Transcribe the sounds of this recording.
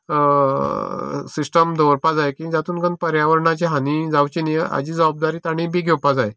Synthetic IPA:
sisʈəmd̪ʱoɾpad͡zajkĩd͡zat̪uːnɡənpəɾjaʋəɾɳat͡ɕeɦanid͡zawt͡ɕinieʔa̰d͡ʑiːd͡zəʋab̚d̪aɾiːt̪aɽ̃ibiɡʱewpad͡zaje

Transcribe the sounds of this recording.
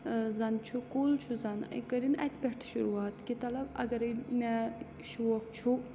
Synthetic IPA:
zɐnt͡ʃʰukult͡ʃʰuzɐnḭkɐɾinɐ̰t̪ʰʲpʲeʈʰʃuɾuːaːt̪kit̪ɐlɐbɐ̰ɡɐɾimɛ | ʃuwokt͡ʃʰu

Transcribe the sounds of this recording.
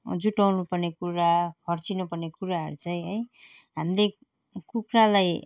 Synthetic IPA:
d͡zuʈawnupʌrnekuɾakʰʌrt͡sinupʌrnekuɾaɦʌ̰ɾut͡saj̃ɦʌj | ɦamle | kukralaj

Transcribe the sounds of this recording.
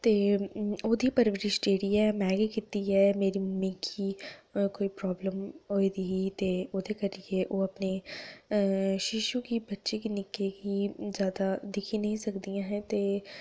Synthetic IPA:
t̪eːoːd̪ʱipɐɾʋɪɾɪʃʈeːɾiɛːmɛːɡikɪt̪ːiɦɛmeːɾimɪ̃kʰikoːipɾɔːbləmɦoːid̪iit̪eːoːd̪ʱekɐɾieʔoːɐpne | ʃɪʃukibɐtːʃekinɪkːekizjaːd̪ad̪ɪkʰinɐɦĩsɐkd̪ijãɦɛ̃t̪eː

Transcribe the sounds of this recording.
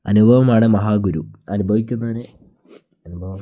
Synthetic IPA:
ɐnubʱɐʋɐmaːɽemɐɦaːɡuɾuɐnubʱɐʋikʲːunːɐðɐnɨ | ɐnubʱɐʋɐm

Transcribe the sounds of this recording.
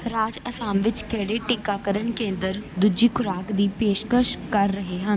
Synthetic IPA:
ɾaːd͡ʒəsaːmʋɪt͡ʃkɛːɽeːʈɪkaːkəɾənkẽːnd̪əɾd̪ʊd͡ʒiːkʰʊɾaːkd̪iːpeːʃkəʃkəɾːəɦeːɦən

